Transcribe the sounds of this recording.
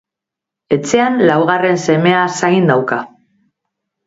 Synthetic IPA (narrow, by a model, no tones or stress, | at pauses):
e̞t͡se̞anlawɣ̞are̞nse̞me̞asaind̪awka